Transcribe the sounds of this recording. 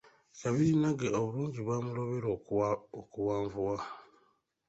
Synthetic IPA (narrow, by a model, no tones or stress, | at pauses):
saβiɾinaɡeoβuluːɲɟiβwaːmuloβeɾookuwaːɱvuwa